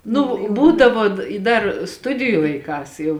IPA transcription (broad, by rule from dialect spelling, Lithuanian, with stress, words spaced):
ˈnʊ ˈbuːdɐʋoː ɪ ˈdɐr ˈstʊdʲɪjʊ lˠɐɪˈkɑːs jɛʊ